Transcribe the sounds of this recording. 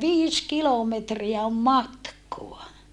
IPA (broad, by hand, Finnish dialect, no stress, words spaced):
ʋiːs kilometriæ om mɑtkoɑ